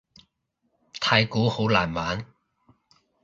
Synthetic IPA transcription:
t̪ʰaː˧jkuː˨˥ho˨˥wla̰ː˨˩nmaː˨˥n

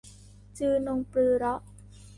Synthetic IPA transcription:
t͡ɕɯː˧no˧ŋpɾɯː˧ɾɔ˦˥ʔ

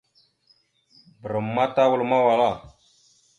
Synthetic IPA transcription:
bə˨ɾə˨mːa˦ta˦wu˨lma˦wa˨la˦˨

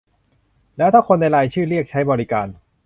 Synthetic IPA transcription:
lɛː˦˥wt̪ʰaː˥˩kʰo˧nːa˧jɾaː˧jt͡ɕʰɯː˥˩ɾi˥˩ək̚t͡ɕʰa˦˥jbɔː˧ɾi˦kaː˧n

